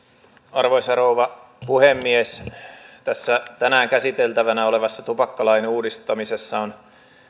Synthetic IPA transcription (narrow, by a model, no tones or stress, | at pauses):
ɑrʋoisɑrouʋɑ | puhemːiest̪æsːæt̪ænæːŋkæsit̪elt̪æʋænæoleʋɑsːɑt̪upɑkːɑlɑineuːdist̪ɑmisesːɑon